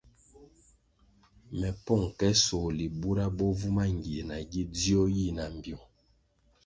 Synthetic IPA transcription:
mɛ˨pɔ˦˨ŋ˨kɛ˦sɔː˨li˨bu˦ɾa˦bɔ˦vu˦ma˦ŋɡi˨e˨na˨ɡi˦di˦ɔ˦ji˦˨na˨m˨bjɔ˨

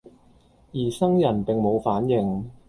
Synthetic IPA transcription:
jiː˨˩sɐ˥ŋjɐ˨˩npɪ˨ŋmo˨˧wfaː˨˥njɪ˨˧ŋ

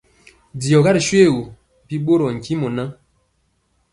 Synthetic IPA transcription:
di˨ɔ˨ɣa˦ɾi˨ʃwe˦˨wo˨ | pi˦ɓo˦ɾɔ˨ŋ̩˨ki˦mɔ˨na˦

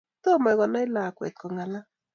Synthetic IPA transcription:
to˦ma˨ɣɔ˨na˦ɪ˦la˨kwɛ̰˨tkɔ˨ŋa˨la˦

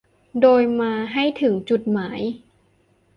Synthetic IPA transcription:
doː˧jmaː˧ɦa˥˩jt̪ʰɯ˩˦ŋt͡ɕu˨˩t̪̚maː˩˦j

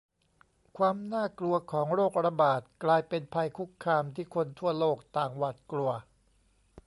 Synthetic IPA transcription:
kʰwaː˧mnaː˥˩klu˧ɐkʰɔː˩˦ŋɾoː˥˩k̚ɾa˧baː˨˩t̪̚klaː˧jpe˧npʰa˧jkʰu˦˥kʰːaː˧mt̪ʰiː˥˩kʰo˧nt̪ʰu˥˩ɐloː˥˩k̚t̪aː˨˩ŋwa˨˩t̪̚klu˧ɐ

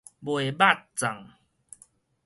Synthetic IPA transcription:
bwe˨ba˥˦˨t̚t͡sa˨˩ŋ

